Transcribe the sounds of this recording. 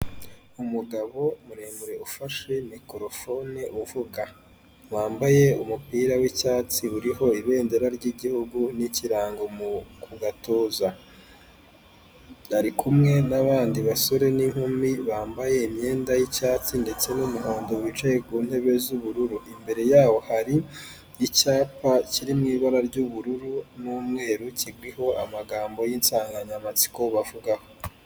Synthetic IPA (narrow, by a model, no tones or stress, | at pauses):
umuɡaβo̞muɾemuɾe̞ufaʃe̞mikoɾofo̞neʔuvuɡa | waːmbaje̞umupiːɾawicaːt͡siuɾiɦo̞iβe̞ːndeɾaɾɟiɟihuɡuniciɾaːŋɡo̞mukuɡatoːza | aɾikʰumŋe̞naβaːndiβaso̞ɾe̞niŋ̥humiβaːmbaje̞imɲe̞ːndajicaːt͡sinde̞t͡se̞numuɦoːndowit͡ʃajekuːn̥he̞βe̞zuβuɾuɾuʔimbe̞ɾe̞jaːwo̞haɾi | icaːpaciɾimŋiːβaɾaɾɟuβuɾuɾunuːmŋe̞ːɾuciɡwiho̞a̰maɡaːmbo̞jinsaːŋɡaɲamat͡si̥ko̞βavuɡaho